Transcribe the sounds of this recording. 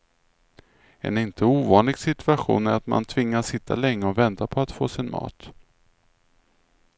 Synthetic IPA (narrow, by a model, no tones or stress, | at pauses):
ɛ̰nɪnt̪ʰəuːvɑːnlɪɡsɪt̪ɵaɧṵːnæɾat̪ma̰nt̪ʰvɪŋːasɪt̪ʰːa̰lɛŋːəɔvɛnt̪apʰɔat̪foːsɪnmɑ̰ːt̪